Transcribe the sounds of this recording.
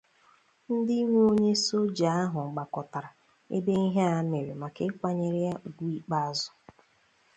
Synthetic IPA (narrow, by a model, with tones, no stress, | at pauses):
n̩˦dɪ˦i˦ŋʷ˦o˦ɲe˦so˦d͡ʒa˨a˦ɦʊ˨ɡ͡ba˨kɔ˨ta˨ɾa˨ | ḛ˦de˦i˦ɦe˦a˨˦ne˨ɾe˨ma˨ke˦kʷa˦ɲe˨ɾɪ˦a˦˨ɡʷu˦i˦k͡pa˦zʊ̥˦